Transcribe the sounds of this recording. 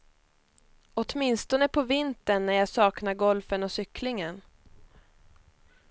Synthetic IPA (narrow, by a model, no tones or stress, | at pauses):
ɔt̪mɪnst̪ɔnəpʰɔvɪnt̪ənːæɾjɑːsɑːknaɾɡɔlfənɔsʏkʰlɪŋən